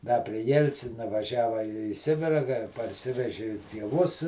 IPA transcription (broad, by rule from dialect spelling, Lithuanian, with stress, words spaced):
dɐ pʲrʲɪ ˈjɛlʲt͡sʲɪnɐ ʋɐˈʒʲæːʋɐ iː ˈsʲɪbʲɪrɐ kɐ pɐrʲˈsʲɪʋʲɛʒʲɪ tʲiɛˈʋʊs